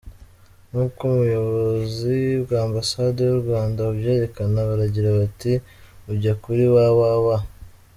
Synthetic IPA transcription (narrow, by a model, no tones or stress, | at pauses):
nhuːbkumujo̞β̞o̞zibɡaːmbasade̞juɾɡwaːndauβje̞ːɾe̞kanaβaɾaɟiɾaβati | uɟakuɾiwawawa